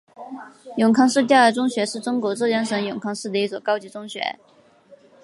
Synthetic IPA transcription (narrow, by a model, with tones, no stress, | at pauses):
jʊ˨˩ŋkʰɑ˥ŋʂɻ̩˥˧t̪jɑ˥˩ə˧˥ʈ͡ʂʊ˥ŋɕɥɛ˧˥ʂɻ̩˥˩ʈ͡ʂʊ˥ŋkwɔ˧˥ʈ͡ʂɤ˥˩jɑ˥ŋʂɤ˧˥ŋjʊ˨˩ŋkʰɑ˥ŋʂɻ̩˥˩d̪ə˩i˥˩t͡swɔ˨˩kɑ˥ʊt͡ɕi˧˥ʈ͡ʂʊ˥ŋɕɥɛ̰˧˥